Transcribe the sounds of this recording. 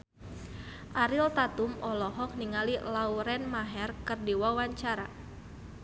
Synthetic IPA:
ʔaɾilt̪at̪umɔlɔɦɔk̚niŋalilauɾɛnmaɦɛrkɨrdiwawaɲt͡ʃaɾa

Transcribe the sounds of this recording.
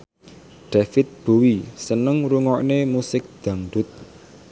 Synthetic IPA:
ɖ̪̥afɪt̪̚b̥ṳwisənəŋɾuŋɔʔnemusɪk̚d̪̥ä̤ŋɖ̪ʊt̪̚

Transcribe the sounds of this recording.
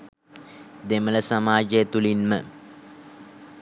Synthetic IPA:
d̪emələsamaːd͡ʒəjət̪ulinmə̰

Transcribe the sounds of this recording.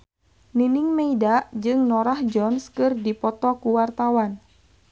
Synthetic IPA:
ninɪŋmeidaʔd͡ʒɨŋnɔɾahd͡ʒɔnskɨrdipɔt̪ɔkuwart̪awan

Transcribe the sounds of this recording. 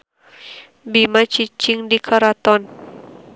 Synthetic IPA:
bimat͡ʃit͡ʃiŋdikʰaɾat̪ɔn

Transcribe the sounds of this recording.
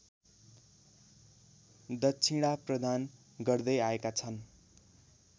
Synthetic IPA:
d̪ʌtːt͡sʰiɽaprʌd̪ʱan | ɡʌrd̪ʌjaekat͡sʰʌn

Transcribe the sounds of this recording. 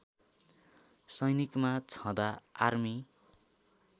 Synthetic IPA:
sʌjnikmat͡sʰʌ̃d̪aarmi

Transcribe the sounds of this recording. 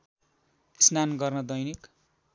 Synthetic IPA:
snanɡʌrnʌd̪ʌjnik

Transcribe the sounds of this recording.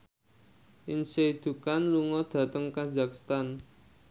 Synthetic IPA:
ʔɪnseid̪̥ṳkanluŋɔd̪̥ä̤t̪əŋkazakst̪an

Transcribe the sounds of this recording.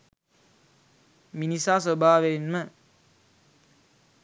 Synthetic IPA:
minisasəbʱaːʋeinmə

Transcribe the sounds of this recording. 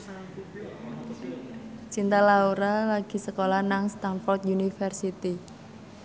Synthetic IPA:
t͡ʃint̪alauɾalaɡ̥i̤səkolanaŋst̪anfɔrt̪junifərsit̪i

